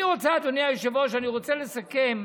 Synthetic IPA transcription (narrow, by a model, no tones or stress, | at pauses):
iʁot͡sead̪onijajeʃevoʃeaniʁot͡selesakem